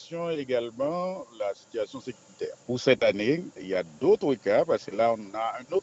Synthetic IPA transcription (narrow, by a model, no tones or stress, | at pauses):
sjɔ̃eɡalmɑ̃lasi̥t̪yasjɔ̃sekyʁit̪ɛ̰ːʁpuʁsɛt̪aneiljad̪ot̪χwikapaʁsəlaɔ̃naɛ̃not̪